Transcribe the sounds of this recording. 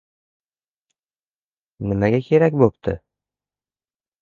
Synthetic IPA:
nɪmaɡʲakʲʰe̞ɾakʲbopt̪ʰɪ̰

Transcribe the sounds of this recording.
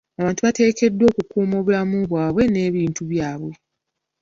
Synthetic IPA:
aβaːntuβate̞ːke̞dːwo̞ːkukuːmo̞ːβulamuβwaːβwe̞ne̞ːβiːntuβjaːβwe̞

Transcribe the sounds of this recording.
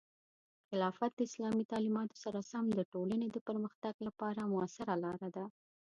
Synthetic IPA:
xɪlɑfat̪̚d̪̥əɪslɑmit̪ɑlimɑt̪o̥saɾasamd̪əʈoləned̪əpəɾməxt̪aɡlapɑɾamʊasɪɾalɑɾad̪a

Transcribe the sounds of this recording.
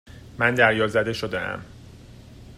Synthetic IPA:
mænd̪æɾjɒːzæd̪e̞ʃod̪eæ̰m

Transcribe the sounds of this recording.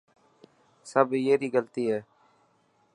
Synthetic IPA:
səbjeːɾiːɡəlt̪iːɦɛː

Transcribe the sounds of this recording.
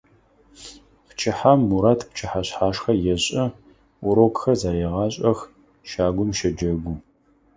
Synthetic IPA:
pt͡ʃʰɪħamːuɾaːtʰpt͡ʃʰɪħaɕħaːʂxɐjɛɕʼɐ | ʊɾoːkxɐzaːɾeːʁɑːɕʼɐx | ʃaːɡʷʊmʃɐd͡ʒɐɡʷu

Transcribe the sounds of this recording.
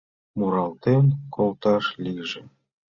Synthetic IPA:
muɾɑlt̪emkʰolt̪ɑʃlikʒĕ

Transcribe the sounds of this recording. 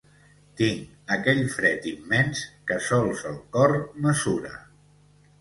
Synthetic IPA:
t̪iŋ | əkɛʎfɾɛt̪imːɛnskəsɔlˠzəlˠkɔrnəzuɾə̰

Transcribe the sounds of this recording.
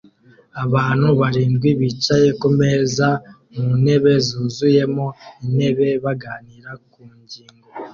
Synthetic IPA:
aβaːn̥huβaɾiːndɡwiβit͡ʃajeko̞me̞za | mune̞βe̞zuːzuje̞mo̞ine̞βe̞βaɡaːniːɾakuːɲɟiːŋɡo

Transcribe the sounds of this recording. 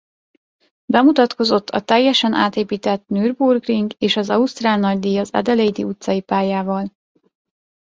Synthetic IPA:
bɛmut̪ɒt̪ko̞zo̞t̪ʰːɒ̰t̪ɛjːɛʃɛnʔa̰ːt̪eːpiːt̪ɛt̪nyːrburɡriŋɡeːʃɒzɒust̪raːlnɒɟd̪ijɒzɛ̰d̪ɛlejd̪iut̪sɒjipaːjaːvɒl

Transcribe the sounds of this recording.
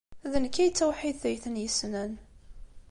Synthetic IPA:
æðənkːæjt͡sːæwħiðθæjθənjəsnæn

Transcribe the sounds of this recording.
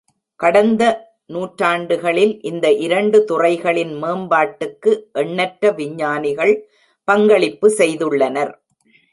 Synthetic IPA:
kɐɽɐnd̪ɐ | nuːʈɾaːɳɖɯɣɐɭɪlʔɪnd̪ɐʔɪɾɐɳɖɯt̪ʊrɐɪɣɐɭɪnmeːmbaːʈːɯkːɯʔɛɳːɐʈɾɐʋɪɲːaːnɪɣɐɭ | pɐŋɡɐɭɪpːɯsɛjðɯɭːɐnɐɾ

